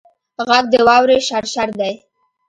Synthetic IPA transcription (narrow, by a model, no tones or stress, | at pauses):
ɣaɡ̚d̪əwɑwɾeʃaɾʃaɾd̪aj